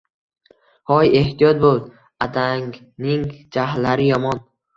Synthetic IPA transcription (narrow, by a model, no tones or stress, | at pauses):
hɒje̞ht̪ʰijɒt̪̚bolˠ | ad̪ʰaŋ | nɪŋd͡ʒaɦlːaɾɪjɒmɒn